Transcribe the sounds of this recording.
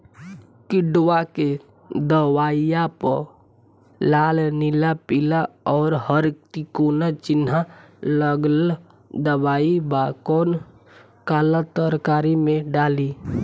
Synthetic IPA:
kɪɖwake | d̪əwaːijapə | laːlnɪlapɪlaɔːɾɦəɾkt̪ikoːnat͡ʃɪnaləɡl | d̪əbaːibakɔːn | kaːlat̪əɾkaːɾimẽɖaːli

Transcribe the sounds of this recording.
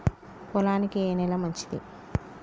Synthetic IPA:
pɔlaːnikieːnɛlɐmɐɲt͡ʃi̥d̪ḭ

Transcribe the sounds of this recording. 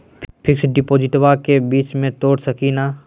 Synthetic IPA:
pʰɪksɖɪpoːd͡ʒɪʈwakebiːt͡ʃmẽt̪oːɽsəkina

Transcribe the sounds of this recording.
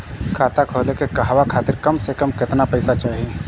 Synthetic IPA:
kʰaːt̪akʰoːlekekɐɦwakʰaːt̪ɪɾkɐmsekɐmkɪt̪napɛɪsat͡ʃaːɦie

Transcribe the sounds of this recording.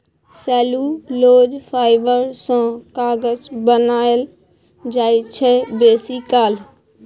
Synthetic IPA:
sɛːluːloːd͡ʒpʰaːɪbəɾsãkaːɡəd͡ʒbənaːəl | d͡ʒaːit͡ʃʰɛbeːsiːkaːl

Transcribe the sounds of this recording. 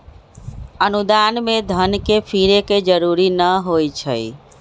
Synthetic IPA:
ənud̪anmed̪ʱənkepʰiɾeked͡ʒəɾuɾinəɦojt͡ʃʰə̰j

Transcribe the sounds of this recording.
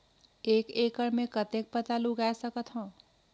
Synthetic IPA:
ekekəɾmekət̪ek̚pət̪aluɡaesəkət̪ɦõ

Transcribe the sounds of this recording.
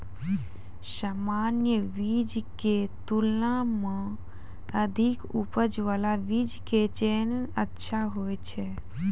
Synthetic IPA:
saːmaːnjəʋid͡ʒket̪ulnãmə̃ | əd̪ʱikupəd͡ʒʋalaʋid͡ʒket͡ʃeːnəətːʃʰaɦoːjt͡ʃʰe

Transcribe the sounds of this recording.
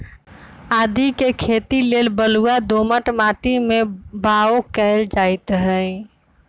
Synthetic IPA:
aːd̪ʱikekʰet̪ilelbəluad̪oməʈmaʈimebaokəɪld͡ʒaɪt̪ɦəj

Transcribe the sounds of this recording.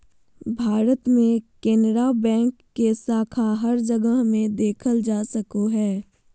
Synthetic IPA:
bʱaːɾət̪mẽkeːnɾaːbɛ̃ːŋkːesaːkʰaɦɐɾd͡ʒɐɡəɦmẽd̪eːkʰəld͡ʒaːsɐkoɦɛː

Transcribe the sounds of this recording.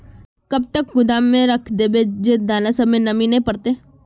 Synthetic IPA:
kɐb̚t̪ək̚ɡʊd̪aːmːẽɾɐkʰd̪eːbed͡ʒed̪aːnasɐmenɐmĩnɐɦĩpɐɾt̪eː

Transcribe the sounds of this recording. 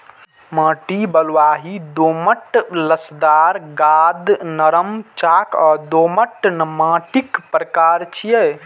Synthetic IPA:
mãːʈibəlʋaɦid̪oməʈləsd̪aɾɡad̪nəɾəmt͡ʃakɔd̪oməʈnmãːʈikpɾəkaɾt͡ʃʰijɛ

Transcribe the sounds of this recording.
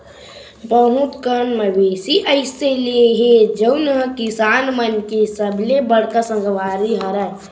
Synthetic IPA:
bəɦũt̪kənməbesiʔəɪseleɦed͡ʒəwnɦə̃kisanmənkesəbʱlebəɽkəsə̃ŋɡʋaɾiɦəɾət̪

